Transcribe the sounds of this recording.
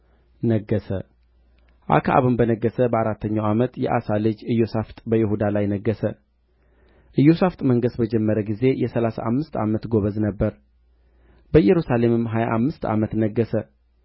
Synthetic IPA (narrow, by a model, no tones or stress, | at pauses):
nəɡːəsə̰ | ʔa̰kʰaʔa̰βɨmbənəɡːəsəbəaɾat̪ːəɲːawamət̪jɛ̰ʔa̰salɨd͡ʒɨjːosaft̪ʼbəjɪhud̪alajnəɡːəsə | ʔɨjːosaft̪ʼməŋɡəsbəd͡ʒɛmːəɾəɡize̞jɛsəlasa̰ʔamːɨst̪a̰mət̪ɡo̞βəznəbːəɾ | bəjɛɾusale̞mɨmɦajaʔamːɨst̪a̰mət̪nəɡːəsə